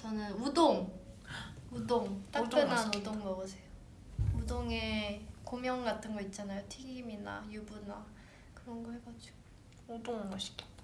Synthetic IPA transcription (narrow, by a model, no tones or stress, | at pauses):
t͡ɕʌnɯnudoŋ | udoŋt͈akk͈ɯnanudoŋnʌɡʌsʰejo | udoŋe̞komjʌŋɡatʰɯnɡʌit̚t͡ɕ͈anajotʰiɡimina̰jubuna | kɯɾʌnɡʌheɡad͡ʑo̥ | udoŋɡʌɕʰi̥kʰe̥t